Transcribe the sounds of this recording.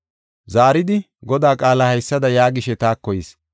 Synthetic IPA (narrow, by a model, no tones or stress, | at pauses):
zaːɾɪd̪ɪ | ɡɔd̪aːkʼaːlahɐjsːɐd̪ɐjaːɡɪʃɛt̪aːkːɔjɪs